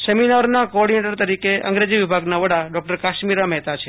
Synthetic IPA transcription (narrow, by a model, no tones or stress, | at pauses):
səminaɾnakoɔɾɽineʈəɾt̪əɾikeʔə̰̃ŋɡɾed͡ʒiʋɪbʱaɡnaʋəɽaɖɔk̚ʈəɾkaʃmiɾamɛɦt̪at͡ʃʰe